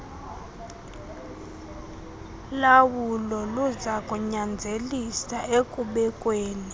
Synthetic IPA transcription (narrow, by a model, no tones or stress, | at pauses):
lawulɔluzakʼuɲand͡zʱelisaekʼuɓɛkʼweːni